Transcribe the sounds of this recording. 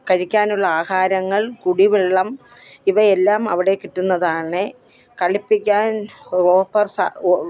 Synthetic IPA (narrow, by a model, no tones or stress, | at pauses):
kɐɻikʲːaːnuɭːɐaːhaːɾɐŋːɐɭkuɽiʋiɭːɐm | iʋɐelːaːmɐ̰ʋiɽe̞kiʈːunːɐðaːɳɨ | kɐɭipːikʲːaːnoːpːɐrsa̰